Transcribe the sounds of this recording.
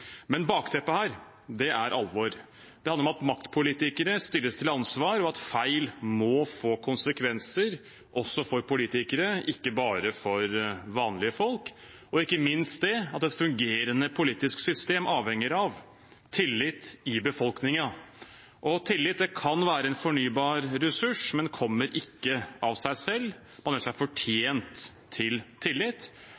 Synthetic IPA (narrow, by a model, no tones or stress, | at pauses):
mɛnbɑːkt̪ʰɛpːəhæːɾ | d̪ɛʔæɾʔɑ̰lʋoːɾ | d̪ɛhɑnəɾɔmɑt̪mɑkt̪pʰʊliːt̪ɪkəɾəst̪ɪlːəst̪ʰɪlɑnsʋɑːɾɔɑt̪fæɪlmɔfoːkʰʊnsəkʰʋɛnsəɾ | ʔɔsːɔfɔɾpʊliːt̪ɪkəɾəɪkːəbɑːɾəfɔɾʋɑːnlɪəfɔlk | ɔɪkːəmɪnst̪̚d̪ɛɑt̪ɛt̪fʉŋɡeːɾənəpʰʊliːt̪ɪsksʏst̪eːmʔɑːʋhɛŋəɾɑʋ | t̪ʰɪlːɪt̪ɪbəfɔlknɪŋɑ | ʔɔt̪ʰɪlːɪt̪̚d̪ɛkʰɑnʋæːɾəɛnfɔɳyːbɑːɾɾɛsʉʂmɛnkʰɔmːəɾɪkːəɑʋsæɪsɛlː | mɑnəʂæfɔʈʰjeːnt̪ʰː | ɪlt̪ʰɪlːɪt̪ː